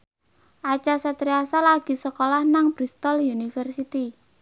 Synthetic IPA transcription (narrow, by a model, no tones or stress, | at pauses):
ʔat͡ʃasət̪ɾiasalaɡ̥i̤səkolahnaŋb̥ɾist̪ɔljunifərsit̪i